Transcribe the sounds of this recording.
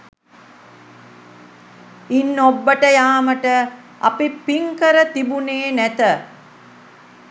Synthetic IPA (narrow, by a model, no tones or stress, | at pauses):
inːobːəʈəjaːməʈə | a̰pipiŋkəɾət̪ibuneːnæt̪ə